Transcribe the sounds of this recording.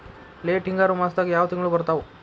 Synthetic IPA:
leʈiŋɡaɾumast̪akjaʋt̪iŋɡɭubəɾt̪aʋu

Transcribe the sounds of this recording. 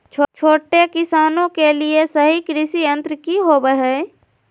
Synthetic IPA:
t͡ʃʰot͡ʃʰoːʈekɪsaːnõkeliesəɦikɾɪʃijə̃nt̪ɾkiɦoːbəɦɛː

